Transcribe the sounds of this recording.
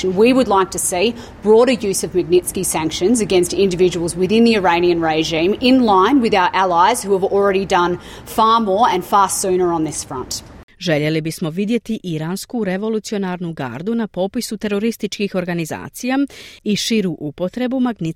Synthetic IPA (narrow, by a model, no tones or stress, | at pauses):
nwiwədˡlaɪk̚tʰɨsi | b̥ɹɔɾə˞jʉzʌvmɨɡ̚nɪtskisæ̃ŋkʃɨ̃nzɨɡɛ̃nstɪ̃ndɨvɪd͡ʒɨwl̩ˠzwɪðɪ̃nðiə˞ẽɪ̃niɨ̃nɹeɪʒĩmɪ̃nlãɪ̃nwɨðaʊə˞ʔælˠaɪz̥huəvl̩ˠɹɛɾidʌ̃n | fɑɹmɔɹɨ̃nfɑɹsʉ̃nə˞ə̃nðɪsfɹʌ̰̃ntʒe̞ʎe̞libismo̞ʋid̪je̞t̪iʔiɾanskuɾe̞ʋo̞lˠut̪sio̞naɾnuɡa̰ːɾd̪unapo̞pisut̪e̞ɾo̞ɾist̪it͡ʃkixo̞ɾɡaniza̰ːt̪sijaiʃiɾuʔupo̞t̪ɾe̞bumaɡni